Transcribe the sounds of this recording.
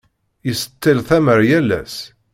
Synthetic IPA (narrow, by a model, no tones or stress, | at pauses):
jəsət̪ːilθæməɾjælːæ̰s